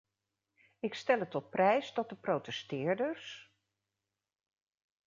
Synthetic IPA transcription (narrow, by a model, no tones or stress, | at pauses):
ɪkstɛlətɔt̚prɛjsdɔt̚dəprowtɛstɪːɹdəɹs